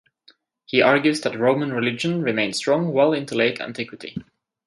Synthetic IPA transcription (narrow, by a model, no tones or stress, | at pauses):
hiʔɑɹɡjʉzðæt̚ɹõʊ̃mə̃nɹɪlɪd͡ʒə̃nɹɨmẽɪ̃nstɹ̥ɔ̃ŋwɛlˠɪ̃ntəleɪɾæ̰̃ntʰɪkwɨtḭ